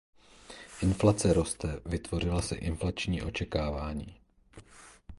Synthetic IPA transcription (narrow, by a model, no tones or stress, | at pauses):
ʔɪnflat͡sɛɾo̞st̪ɛvɪt̪vo̞r̝ɪlasɛ̰ʔɪnflat͡ʃɲiːʔo̞t͡ʃɛkaːvaːɲḭː